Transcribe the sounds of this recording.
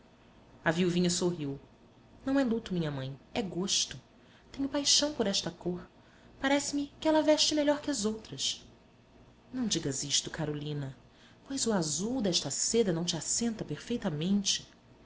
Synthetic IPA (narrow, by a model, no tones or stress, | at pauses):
ɐviwvĩɲɐsoɦiw | nɐ̃w̃ɛlut̪ʊmĩɲɐmɐ̃j̃ɛɡoʃt̪ʊ | t̪ẽɲʊpajʃɐ̃w̃poɾɛʃt̪ɐkoɾ | paɾɛsɪmɪkɪɛlɐvɛʃt͡ʃɪmeʎɔɾkɪɐzowt̪ɾɐs | nɐ̃w̃d͡ʒiɡɐziʃt̪ʊkaɾolĩnɐ | pojzʊazuwd̪ɛʃt̪ɐsed̪ɐnɐ̃w̃t͡ʃasẽnt̪ɐpeɾfejt̪ɐmẽnt͡ʃɪ̥